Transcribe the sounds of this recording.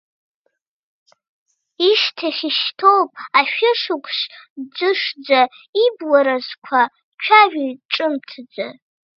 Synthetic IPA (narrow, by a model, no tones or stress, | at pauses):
iʃtʰaχʲiʃtʰowpʼaʃᶣɪʂʊkʷʰʼʃd͡zɨʂd͡za | ibwaɾazkʷʰa | t͡ʃʷᶣʰaʒᶣiʈ͡ʂːʼɨmtʰd͡za